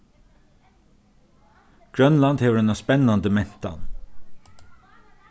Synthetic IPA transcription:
ɡ̥ɹœnland̪heːʋəɾɛnaspɛnɑnd̪əmɛn̥t̪ɑ̰n

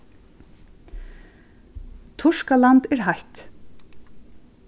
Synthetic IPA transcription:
t̪ʰʊʂkalant̪ɛɹɦajt̪

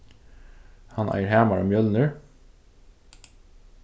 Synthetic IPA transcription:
hɑnʔæ̰ɪəɹhæːmɑɹɔmjœlnəɹ

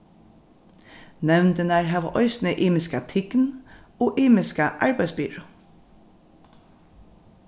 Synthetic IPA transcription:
nɛʋnd̪ənæːɹhɑːʋə̰ʔɔʏsn̩əʔeːmɪskɑt̪ʰɪɡn̩ | oːʔeːmɪskəʔɑɹbæɪsbʏɹo

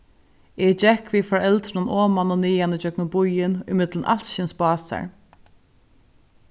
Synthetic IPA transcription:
ɛd͡ʒɛkːviːfɔɹɛlt̪ɾʊnɔːmanʊniːjanəd͡ʒœknəbʊjɪnʊ̰mɪt̪lənʔa̰lʃɪnsbɑːsa̰ɹ

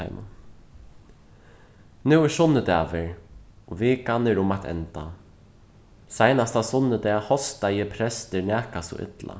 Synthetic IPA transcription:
a̰mʊ̰n | nɛwɛsʊnːəd̪ɛːvɪɹɔvɪːkanɪɾʊmat̪ʰɛ̰nt̪a | sajnast̪asʊnːəd̪ɛːhɔst̪ajɛpʰɾɛst̪ɪɹnæːhkasṵʔɪ̰t̪lʔa̰

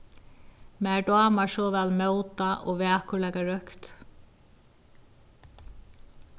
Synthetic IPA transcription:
mɛd̪ɔːmasɔːvɛlmœːwt̪aʔɔ̰ɣvɛːahkʏɾlɛːkaɾœkt̪

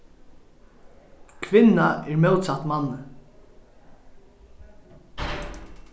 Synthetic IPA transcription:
kʰʋɪnːaɛɹmɛwt̪sat̪manːə

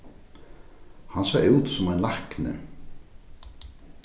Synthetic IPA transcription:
hansaːjuwt̪sʊmajnlahknɪ̰

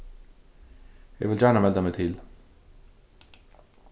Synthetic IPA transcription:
ḛʋɪld͡ʒaːnamɛlt̪amet̪ʰiːl

